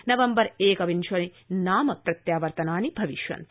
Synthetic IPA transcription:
nɐʋɐmbɐɾeːkɐʋinʃʰʋɐni | naːmɐpɾɐt̪jaːʋɐɾt̪ɐnaːnibʱɐʋiʃʋɐ̰nt̪

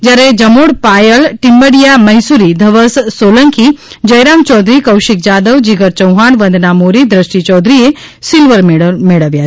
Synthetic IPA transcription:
d͡ʒɐɾed͡ʒɐmoɽpaːjəlʈimbəɽijamɐjsuɾid̪ʱɐʋəssoːləŋkʰid͡ʒɐjɾaːmt͡ʃɔːd̪ɾikɐwʃik̚d͡ʒaːd̪əʋd͡ʒiɡəɾt͡ʃɐwɦaːɳʋənd̪namoɾid̪ɾəʃʈit͡ʃɔːd̪ɾije | silʋəɾmeɽəʋja

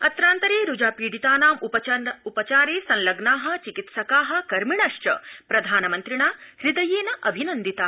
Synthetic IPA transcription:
ɐt̪ɾaːnt̪ɐɾeːɾud͡ʒaːpiːɽit̪aːnaːmupɐupɐt͡ʃaːɾeːsɐ̃nlɐɡnaːɦɐ̆t͡ʃikit̪sɐkaːɦɐ̆kɐɾmiɳɐʂt͡ʃɐ̰pɾɐd̪ʱaːnɐmɐnt̪ɾiɳaːɾid̪ɐjeːnɐʔɐbʱinɐnd̪it̪aː

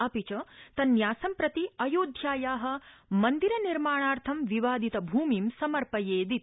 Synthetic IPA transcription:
ɐpit͡ʃɐt̪ɐnːjaːsɐmpɾɐt̪iɐjoːd̪ʱjaːjaːɦɐ̆mɐnd̪iɾɐniɾmaːɳaːɾt̪ʰɐmʋiʋaːd̪it̪ɐbʱuːmiːmsɐmɐɾpɐjeːd̪it̪̚

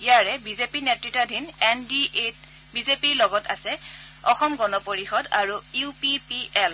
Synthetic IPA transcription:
ijaɹɛbizepinetɹitadʱinɛndiet | bizepiɹlɔɡɔta̰sɛ | ɔxɔmɡɔnɔpoɹixɔdaɹuiupipiɛl

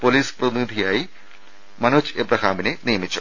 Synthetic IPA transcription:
polispɾɐt̪inid̪ʱijaːi | mɐnut͡ʃebɾɐkʰaːmineniːmitːt͡ʃʰo

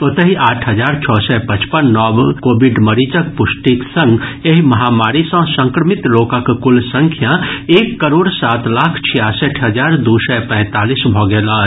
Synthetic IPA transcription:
ot̪əɦiʔaːʈʰɦəd͡ʒaːɾt͡ʃʰɔːsɛpɐ̃t͡ʃpənːɔːbkoːbiɖməɾit͡ʃək̚pʊsʈik̪sə̃ŋɡeɦmɐɦaːmaːɾisə̃sə̃ŋkɾəmɪt̪loːkãkkʊlsə̃ŋkʰjaeːkːəɾoːɽsaːt̪laːkʰt͡ʃʰijaːsəʈʰɦəd͡ʒaːɾd̪uːsɛpɛ̃ːt̪aːlisbʱɔːɡeːlaː

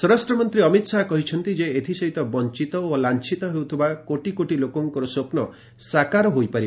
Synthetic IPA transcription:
sɔɾasʈɾɔmɔnt̪ɾiɔmit̪saɦkɔɦit͡ʃʰɔnt̪id͡ʒeet̪ʰisɔɦit̪ɔbɔnt͡ʃit̪ɔolant͡ʃʰit̪ɔɦewt̪ʰibakoʈikoʈilokɔŋkɔɾɔsopnɔ | sakaɾɔɦojpaɾi

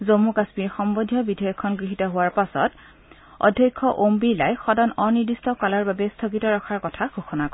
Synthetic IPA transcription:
zomukasmiɹxɔmbodʱjɔbidʱɔjɔkʰːɔnɡɹiɦitɔɦʊwaɹpasɔ̰t | ɔ̰dʱjakʰːɔʔombila̰jxɔdɔnɔniɹdistɔkalaɹbabɛstʰokitɔɹɔkʰaɹkɔtʰaɡʱoxɔnakɔ

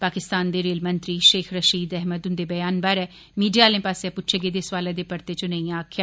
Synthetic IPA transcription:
paːkɪst̪aːnd̪eːɾeːlmənt̪ɾiːʃeːkʰɾəʃiːd̪ɛɦməd̪ʊnd̪eːbəjaːnbaːɾɛː | miːɖijaːlẽːpaːsapʊtːt͡ʃʰeɡeːd̪eːsʋaːleːd̪eːpəɾt̪eːt͡ʃonə̃ĩaːkʰjaː

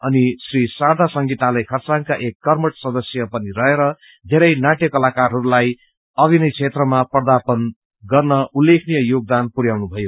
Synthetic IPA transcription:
ʌnisrisard̪ʱasʌŋɡit̪alajkʰʌrt͡sankaʔekːʌrmʌʈsʌd̪ʌsjʌpʌniɾʌɦeɾʌ | d̪ʱeɾʌjnaʈjʌkʌlakarɦʌɾulaj | ʌbʱinʌjt͡sʰet̪rʌmapʌrd̪apʌn | ɡʌrnʌulːekʰnijʌjoɡ̚d̪anpuɾjawnubʱʌjo

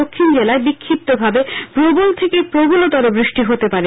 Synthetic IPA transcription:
okʰːind͡ʑelaebikʰːip̚t̪obʱabepɾobolt̪ʰekepɾoboloʈ̪ɔɾobɾiʃʈiɦot̪epaɾe

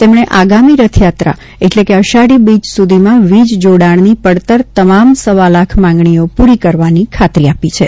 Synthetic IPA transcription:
t̪emɳeʔaɡamiɾət̪ʰjat̪ɾa̰ | eʈlekeəʃaɽibid͡ʒsud̪ʱimãʋid͡ʒd͡ʒoɽaɳnipəɽt̪əɾt̪əmamsəʋalakʰmãŋɡɳijopuɾikəɾʋanikʰat̪ɾiapit͡ʃʰe

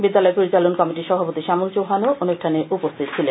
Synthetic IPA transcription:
bid̪ːalɔepoɾit͡ɕalonkɔmiʈiʃɔbʱapot̪iʃamult͡ɕowɦanoʔonuʃʈʰaneʔupost̪ʰit̪̚t͡ɕʰile

